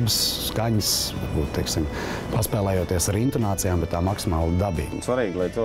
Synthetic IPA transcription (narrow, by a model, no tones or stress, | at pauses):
bɪsːkaɲsa̰ɾbṵːt̪t̪ɛksim | paspɛːlˠɛːjoɔt̪iɛsaɾint̪ɔnaːt̪sijaːmbɛt̪t̪ːaːmaksimaːlˠd̪abḭːɡsʋaɾiːɡlˠajt̪il